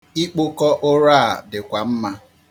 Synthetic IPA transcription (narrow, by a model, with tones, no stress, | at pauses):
i˦k͡pʊ˦kɔ˦ʔʊ˦ɾaː˦˨dɪ˨kʷa˨m̩˦ma˦